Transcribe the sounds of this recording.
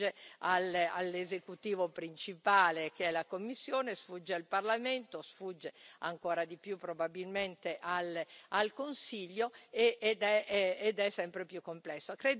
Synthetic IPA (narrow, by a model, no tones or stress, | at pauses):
ealalːezekut̪iːvopɾint͡ʃipaːlekeɛlakomːisːjoːnesfud͡ʒːealparlament̪osfud͡ʒːea̰ŋkoːɾad̪ipjupːɾobabilment̪eʔalalkonsiʎːoeːd̪ɛːd̪ɛsːɛmpɾepjukːomplɛsːokɾeːd̪